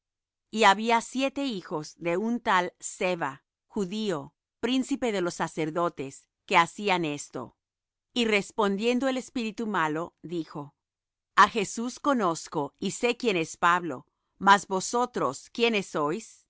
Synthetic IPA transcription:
iaβiasje̞t̪e̞ixo̞zðe̞unt̪alseβa | xuðio̞ | pɾinsipe̞ðe̞lo̞sːase̞ɾðo̞t̪e̞s | ke̞asiane̞st̪o̰ | ire̞spo̞nd̪je̞nd̪oele̞spiɾit̪umalo̞ðixo̞ | axe̞susko̞no̞sko̞ise̞kje̞ne̞spaβlo̞̰ | mazβo̞so̞t̪ɾo̞skjenesːo̞js

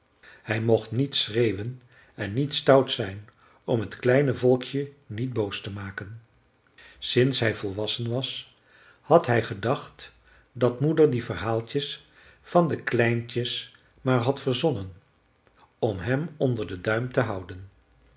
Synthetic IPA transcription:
hɛjmɔχtnitsrejwən | ɛnːitstʌwtsɛjn | ɔmɦətklɛjnəvɔlˠkʰjənit̚bowstəmaːkən | sɪnsɦɛjvɔlˠʋɑsənʋɑs | hɑtɦɛjχədɑχt | dɑtmudəɹdivərɦaːlˠtəs | fɑndəklɛjntəs | maːɹɦɑtfəɹzɔnən | ɔmɦɛmɔndəɹdədœɥmtəɦɑwdən

